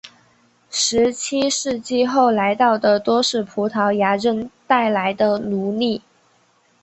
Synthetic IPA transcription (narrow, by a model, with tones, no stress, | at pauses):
ʂɻ̩˧˥t͡ɕʰi˥ʂɻ̩˥˧t͡ɕi˥˧xo˥˩ʊla˧˥ɪt̪ɑ˥˩ʊd̪ə˩t̪wɔ˥ʂɻ̩˥˩pʰu˧˥t̪ʰɑ˧˥ʊja˧˥ʈ͡ʂə˥˧nt̪a˥˩ɪla˧˥ɪd̪ə˧nu˧˥li˥˩